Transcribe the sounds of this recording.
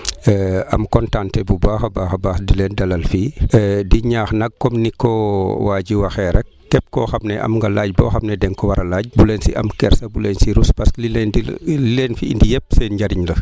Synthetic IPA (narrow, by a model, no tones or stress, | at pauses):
ɐmkɔntaːntɛbubaːxɐbaːxɐbaːxdilɛːndɐlɐlfiːdiɲaːxnɐɡ̚kɔmnikɔwaːɟiwɐxɛːɾɛ | kɛp̚kɔxɐmnɛʔɐ̰mŋɡɐlaːɟ̚bɔ̰ːxɐmnɛdɛŋkɔwɐɾɐlaːɟ̚bulɛnsḭʔɐmkɛɾsɐbulɛnsiɾuspɐsklilndilenfiḭndijɛp̚sɛnɟaɾiɲlɐ